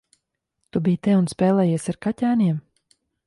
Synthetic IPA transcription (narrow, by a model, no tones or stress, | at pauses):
t̪ubijt̪ɛunspɛːlˠɛːjiɛsaɾkacʲæːniɛm